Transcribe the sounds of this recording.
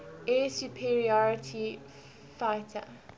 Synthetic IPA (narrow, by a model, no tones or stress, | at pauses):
esjupʰiɹiɔɹɪtʰi | faɪtʰə̰